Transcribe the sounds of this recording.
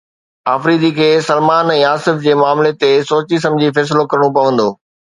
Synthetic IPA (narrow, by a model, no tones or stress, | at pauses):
aːfɾiːd̪ikʰeːsɐlmaːnɛ̃ːaːsɪfd͡ʑeːmaːmlet̪esoːt͡ɕis̬ɐ̃md͡ʑʱifɛːs̬ɪlokɐɾəɽ̃õpɐʋə̃nd̪oː